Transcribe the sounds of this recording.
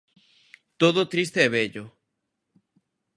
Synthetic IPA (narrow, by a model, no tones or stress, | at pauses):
t̪oðot̪ɾis̬t̪eːβeʎo